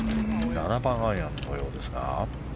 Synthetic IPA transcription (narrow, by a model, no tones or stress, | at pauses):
nanabãããnːojo̞ːd̪e̞sɨɡa̰